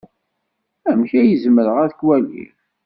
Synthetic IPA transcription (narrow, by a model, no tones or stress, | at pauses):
æmçæjəzməɾəʁæðəkwælḭθ